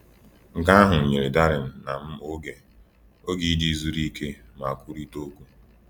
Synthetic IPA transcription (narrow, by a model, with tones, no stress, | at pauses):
ŋ̩˨ɡa˦a˦ɦʊ˨ɲe˨ɾe˨da˦ɾɪ˨n̩˨na˨m̩˦o˦ɡe˨ | o˦ɡi˦di˦zu˦ɾi˦ke˦ | ma˨kʷu˦ɾi˦to˦kʷu˦